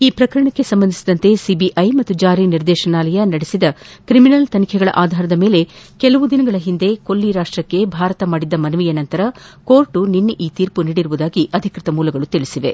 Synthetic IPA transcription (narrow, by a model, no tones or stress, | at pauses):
iːpɾɐkɐɾɐɳɐkːe̞sɐmbɐnd̪ʱisid̪ɐnt̪e̞sibiʔɐjmɐt̪ːud͡ʒaːɾiniɾd̪ɛːʃɐnaːlɐjɐnɐɽesid̪ɐkɾiminɐlt̪ɐnikʰɛɡɐɭɐ̰ʔaːd̪ʱaːɾɐd̪ɐmeːle̞kɛlɐʋud̪inɐɡɐɭɐɦind̪e̞ko̞lːiɾaːʂʈɾɐkːe̞bʱaːɾɐt̪ɐmaːɽid̪ːɐmɐnuʋijɐnɐnt̪ɐɾɐko̞ːɾʈuninːʔiːt̪iːɾpuniːɽiɾuʋud̪aːɡiʔɐd̪ʱikɾit̪ɐmuːlɐɡɐɭut̪iɭisiʋe̞